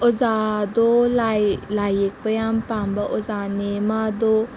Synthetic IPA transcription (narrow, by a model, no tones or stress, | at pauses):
ɔzad̪olalajek̚pajampambaʔɔzanemad̪o